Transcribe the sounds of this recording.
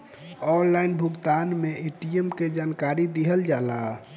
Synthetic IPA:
ɔnlainbʱuɡt̪anmeeʈiemked͡ʒankaɾid̪iɦəld͡ʒala

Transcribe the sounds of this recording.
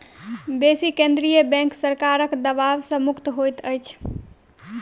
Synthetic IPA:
besikẽnd̪ɾijəbɛ̃ŋksəɾkaɾəkd̪əbaʋsə̃mukʰt̪ɦojt̪əjt͡ʃʰ

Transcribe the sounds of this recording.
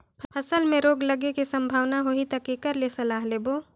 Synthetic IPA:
pʰpʰəsəlmẽɾoːɡləɡekisɐ̃mbʱaːʋnaɦoit̪ɐkekəɾlesɐlaːɦleːboː

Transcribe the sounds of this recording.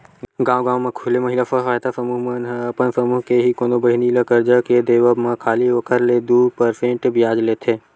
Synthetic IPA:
ɡãːwɡãːwmẽkʰulemɐɦɪlafəɦaːjt̪afəmuːɦmɐnɦpənfəmuɦkeɦikoːnobɐɦniləkəɾd͡ʒaked̪eːʋəmãkʰaːliʋɐkʰəɾled̪uːpəɾfʰẽʈbijaːd͡ʒleːt̪ʰeː

